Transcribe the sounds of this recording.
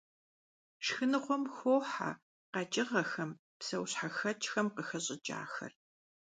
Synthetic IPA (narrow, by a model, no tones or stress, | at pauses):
ʂxɨnɨχʷɔmxoːħa̰ | qɐt͡ʃʼɪʁɐxɐm | psɐwɕħaxɐt͡ʃʼxɐmqəxɐɕʼɪt͡ʃʼa̰ːxɐ̰r